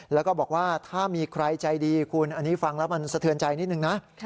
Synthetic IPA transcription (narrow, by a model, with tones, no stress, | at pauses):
lɛ˦˥wkɔː˥˩bɔː˨˩k̚waː˥˩t̪ʰaː˥˩miː˧kʰɾa˧jt͡ɕa˧jdiː˧kʰu˧nʔa˧nːiː˦˥fa˧ŋlɛ˦˥wma˧nsa˧t̪ʰɯ˧ənt͡ɕa˧jni˦˥t̪̚nɯ˨˩ŋna˦˥ʔʰ